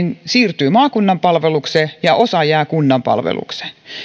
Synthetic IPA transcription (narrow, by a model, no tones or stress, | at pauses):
nsiːrt̪yːmɑːkunːɑmpɑlʋeluksejɑʔosɑjæːkunːɑmpɑ̰lʋḛlṵkse̥